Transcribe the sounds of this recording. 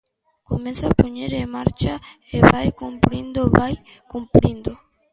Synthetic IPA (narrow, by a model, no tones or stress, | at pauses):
komẽnθapoɲeɾemaɾt͡ʃa | eβajkumpɾind̪oβaj | kumpɾind̪o